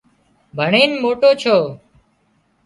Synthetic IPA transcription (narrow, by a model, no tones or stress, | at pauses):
bʱəɳeːnmoːʈoːt͡ʃʰoː